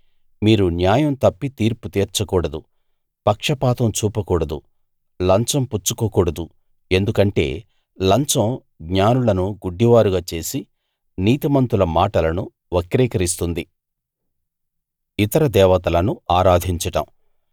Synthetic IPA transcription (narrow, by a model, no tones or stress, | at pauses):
miːɾunjaːjɐmt̪ɐpːit̪iːɾput̪iːɾt͡ʃɐkuːɽɐd̪u | pɐkʂɐpaːt̪ɐmt͡ʃuːpɐkuːɽɐd̪ṵ | lɐnt͡ʃɐmput͡ʃːukoːkuːɽɐd̪u | e̞nd̪ukɐɳʈe̞̰ː | lɐɲt͡ʃɐm | ɡɲaːnulɐnuɡuɖʱːiʋaːɾuɡaːt͡ʃe̞ːsi | niːt̪imɐnt̪ulɐmaːʈɐlɐnu | ʋɐkːɾɛːkɐɾist̪und̪i | it̪ɐɾɐd̪ɛːʋɐt̪ɐlɐnuaːɾaːd̪ʱiɲt͡ʃɐʈɐ̰m